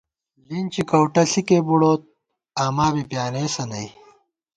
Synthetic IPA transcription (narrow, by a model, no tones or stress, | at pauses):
lint͡ɕikɐwʈɐɬikeːbuɽoːt̪̚ | aːmaːbipjaːneːsɐnɐj